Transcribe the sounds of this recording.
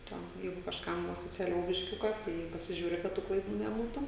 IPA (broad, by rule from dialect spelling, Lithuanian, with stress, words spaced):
ˈtʲɛn ˈjɛɪɡʊ kɐʃˈkɐm oːfʲɪt͡sʲɛˈlʲɛʊ bʲɪʃʲˈkʲʊkɐ ˈtɐɪ pɐsʲɪˈʒʲuːrʲɪ kɐt ˈtuː klˠɐɪˈduː nʲɛˈbuːtʊ